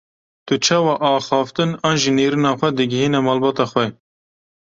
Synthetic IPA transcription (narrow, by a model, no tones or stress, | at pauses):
t̪ʊt͡ʃʰɑːwɑːʔɑːxɑːft̪ɨnɑːnʒineːɾɨnɑːxʷɛd̪ɨɡɪɦiːnɛmɑːlbɑːt̪ɑːxʷwɛ